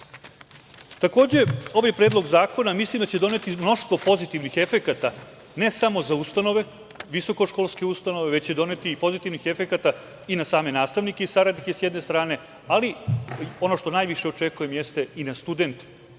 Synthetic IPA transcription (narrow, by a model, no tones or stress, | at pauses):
t̪ako̞ːd͡ʑe̞oʋojepɾeːd̪lˠo̞ɡzaːko̞namislimd̪at͡ɕe̞d̪o̞ne̞t̪imno̞ʃt̪ʋo̞po̞zit̪iʋnixe̞fe̞kat̪a | ne̞samo̞zaust̪ano̞ʋe̞ | ʋiso̞ko̞ʃko̞ːlˠskeust̪ano̞ʋeʋet͡ɕt͡ɕe̞d̪o̞ne̞t̪iːpo̞zit̪iʋnixe̞fekat̪a | inasaːme̞naːst̪aʋnikeisaɾad̪nike̞sjed̪nest̪ɾaːne̞ | alio̞no̞ʃt̪o̞najʋiʃeot͡ʃe̞kuje̞mjest̪einast̪ud̪e̞nt̪